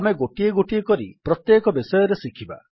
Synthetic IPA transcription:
ameɡoʈieɡoʈiekɔɾipɾɔt̪jekɔbisɔjɔɾesikʰiba̰

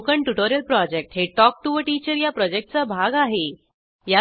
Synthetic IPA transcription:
kəɳʈuʈoɾijəlpɾɔd͡ʑek̚ʈɦeʈɔk̚ʈuʋəʈit͡ɕəɾjapɾɔd͡ʑek̚ʈ̚t͡sabʱaɡaɦe | ja

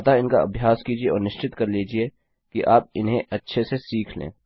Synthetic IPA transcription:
t̪aɪnkaɐ̰bʱjaːskiːd͡ʒieɔːɾnɪʃt͡ʃɪt̪kɐɾliːd͡ʒie | kiʔaːp̚ɪnɦẽʔɐtːʃʰesesiːkʰlḛ̃ː

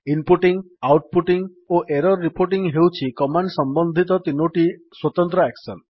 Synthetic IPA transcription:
inpuʈiŋ | awʈ̚puʈiŋ | oʔeɾɔɾːipoɾʈiŋɦewt͡ʃʰikɔmaɳɖsɔmbɔnd̪ʱit̪ɔt̪inoʈiswɔt̪ɔnt̪ɾɔeksɔn

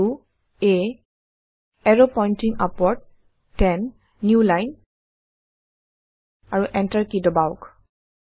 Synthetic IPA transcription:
u | e | ɛɹopɔjntiŋa̰pɔɹd̚ | tɛnː | julajn | aɹuʔɛntaɹkidɔbaʊk

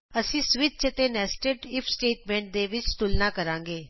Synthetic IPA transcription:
əsĩːsʋɪt̪̚t͡ʃət̪eːnɛːsʈəɖɪpʰsʈeːʈmɛ̃ːɳʈ̚d̪eːʋɪt͡ʃst̪ʊlnãːkəɾãːŋɡeː

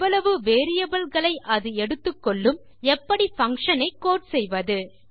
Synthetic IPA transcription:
ɐɭɐʋɯʋeːɾɪjɐbɐlɣɐɭɐɪʔɐðɯɛɽɯt̪ːɯkːɔɭːɯm | ɛpːɐɽifɐŋkʂɐnɐɪkːoːʈsɛjʋɐðɯ

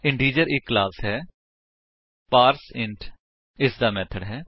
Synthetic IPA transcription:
ɪɳɖiːd͡ʒəɾɪkːlaːsɦɛː | paːɾsɪ̃ɳʈʰ | ɪsd̪aːmɛːt̪ʰəɖɦɛː

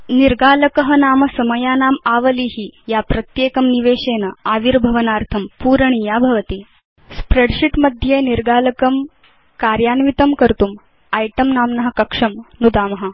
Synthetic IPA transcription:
niɾɡaːlɐkɐɦɐnaːmɐsɐmɐjaːnaːmaːʋɐliːɦijapɾɐt̪jeːkɐmniʋeːɕeːnɐaːʋiɾbʱɐʋɐnaːɾt̪ʰɐmpuːɾɐɳijaːbʱɐʋɐt̪iː | spɾeɽʂiʈmɐd̪ʱjeːniɾɡaːlɐkɐm | kaːɾjaːnʋit̪ɐmkɐɾt̪uːm | ɐjʈɐmnaːmnɐɦɐ̆kɐkʂɐmnud̪aːmɐɦɐ

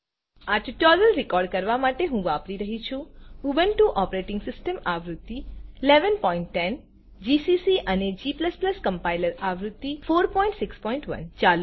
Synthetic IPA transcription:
aʈuʈoɾəlɾɪkɔɾɖkəɾʋamaʈeɦũʋapɾiɾəɦit͡ʃʰũubənʈuʔɔpɾeʈɪ̃ŋɡsɪsʈəmaʋɾʊd̪ːileʋənpɔiɳʈːɛn | d͡ʒisisiʔəned͡ʒipləspləskəmpajləɾaʋɾʊd̪ːifoɾpɔĩɳʈsɪkspɔiɳʈʋə̰nt͡ʃalu

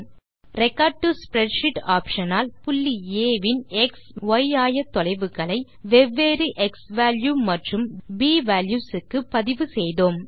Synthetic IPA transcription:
rɛkːaːɖ̚ʈuspɾɛɖʂɪʈaːpʂɐnaːlpʊlːieːʋɪnɛksʋɐjaːjɐt̪ːɔlɐɪʋɯɣɐɭɐɪ | ʋɛʋːeːɾiʔɛksʋaːljuːmɐʈrɯmbiːʋaːljuːsɯkːɯpɐðɪʋɯsɛjðoːm

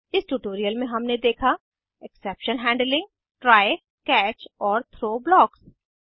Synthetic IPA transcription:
ɪsʈuʈoːɾijəlmẽɦɐmned̪eːkʰa | ɛkseːpʃənɦɛ̃ːɳɖlɪ̃ŋɡ | ʈɾaːɪ | kɛːt͡ʃɔːɾt̪ʰɾoːblɔːks

